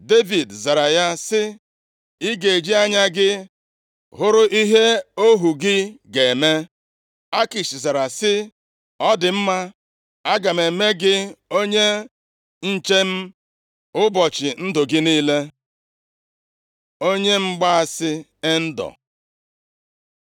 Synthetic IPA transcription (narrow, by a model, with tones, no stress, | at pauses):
de˦vi˨dza˨ɾa˨ja˦sɪ˦ | i˦ɡe˨e˨d͡ʒi˦a˦ɲa˦ɡɪ˦ | ɦʊ˦ɾʊ˦ʔi˦ɦe˦o˦ɦu˨ɡɪ˦ɡe˨e˨me˦ | a˦ki˨ʃi˨za˨ɾa˨sɪ˦ | ɔ˦dɪ˨m̩˦ma˦ | a˦ɡa˨me˨me˦ɡɪ˦o˦ɲe˦ | n̩˦t͡ʃe˦m̩˦ | ʊ˦bɔ˨t͡ʃɪ˨n̩˦dʊ˨ɡɪ˦niː˦le˦ | o˦ɲe˦ŋ͡m̩˦ɡ͡ba˦a˨sɪ˦e˦n̩˦dɔ̰˨